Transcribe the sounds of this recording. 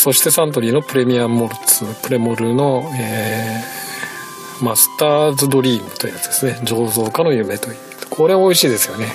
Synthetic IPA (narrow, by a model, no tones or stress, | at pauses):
so̞ɕi̥t̪e̞sãnt̪̬o̞ɾʲiːno̞pɯ̟ɾe̞mʲiamo̞ɾɯ̟t͡sɨpɯ̟ɾe̞moɾɯ̟no̞eː | masɨ̥t̪aːzɨd̪o̞ɾʲiːmɯ̟t̪oiɯ̟jat͡sɨ̥d̪̥esɨne̞d͡ʑo̞ːzo̞ːkano̞jɯ̟me̞t̪o̞jɯ̟kʰo̞ɾe̞βao̞iɕiːd̪e̞sɨjo̞ne̞